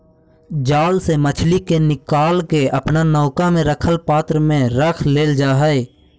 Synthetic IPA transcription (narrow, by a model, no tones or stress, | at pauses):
d͡ʒaːlsemət͡ʃʰlikenɪkaːlkeəpnanɔːkamẽɾəkʰəlpaːt̪ɾəmẽɾəkʰleːld͡ʒaːɦəe